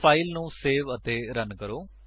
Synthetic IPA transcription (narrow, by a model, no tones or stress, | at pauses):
pʰaːilnũːseːʋət̪eːɾənkəɾoː